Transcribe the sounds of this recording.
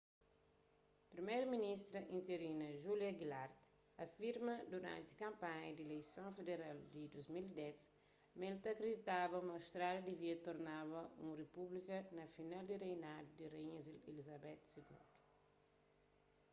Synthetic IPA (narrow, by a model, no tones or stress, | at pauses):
pɾimejɾɐminist̪ɾɐʔĩnt̪eɾinɐʒuljɐɡilaɾt̪ | ɐfiɾmɐd̪uɾã̰nt̪i̥kɐ̃mpaɲɐd̪elejsõfed̪eɾald̪id̪ozmild̪ɛs | melt̪ɐkɾed̪it̪abɐmɐwst̪ɾaljɐd̪iviɐt̪oɾnaβɐṵ̃republikɐnɐfinald̪irejnad̪ud̪ireiɲɐzilelizɐbɛt̪siɡṵ̃nd̪u̥